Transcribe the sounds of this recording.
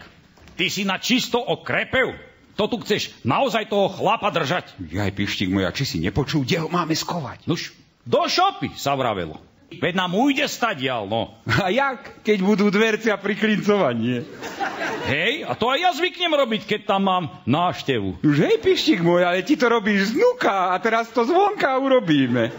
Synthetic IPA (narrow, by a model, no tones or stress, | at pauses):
k | t̪isinat͡ʃist̪ɔʔɔkɾɛpɛʊ | t̪ɔt̪uxt͡sɛʃnaɔzajt̪ɔɦɔxlapad̪r̩ʒacja̰jpiʃciɡmɔja̰t͡ʃisḭɲɛpɔt͡ʃuːɡɟɛɦɔmaːmɛskɔʋa̰cnuʃ | d̪ɔʃɔpḭsaʋɾa̰ʋɛ̰lɔ̰ | ʋɛd̪naːmujɟɛst̪aɟjalnɔ̰ajakkɛɟbud̪uːd̪ʋɛɾt͡siapɾiklint͡sɔʋaɲɪɛ | ɦɛja̰t̪ɔajjazʋikɲɛmɾɔbickɛc̚t̪amːaːm | naːʃcɛʋṵnuʒɦɛjpiʃciɡmɔjalɛtit̪ɔɾɔbiːʒznukaːt̪ɛɾast̪ɔzʋɔŋkauɾɔbiːmɛ